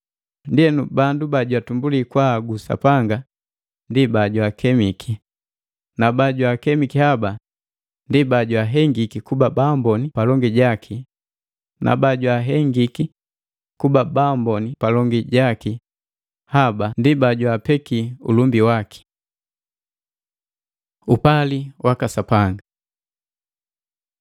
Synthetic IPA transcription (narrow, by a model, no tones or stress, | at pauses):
ndiɛnubandubaɟwatumbulikwaɡusa̰paŋɡa | ndibaɟwakʰɛmikʰi | nabaɟwakɛmikihaba | ndibaɟwaɦɛŋɡikikubabambɔnipalɔŋɡiɟakʰi | nʔa̰baɟwaɦɛŋɡiki | kubabambɔnipalɔŋɡiɟaki | habandibaɟwapɛkiṵlumbiwaki̥ | upaliwakasapaŋɡa